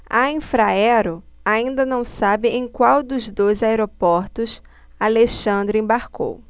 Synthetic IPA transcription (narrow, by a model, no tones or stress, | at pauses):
aĩfɾaɛɾʊaĩnd̪ɐnɐ̃w̃sabɪʔẽj̃kwawd̪ʊzd̪ojzaeɾopɔɾt̪ʊs | aleʃɐ̃nd̪ɾʊẽbaɾko̰w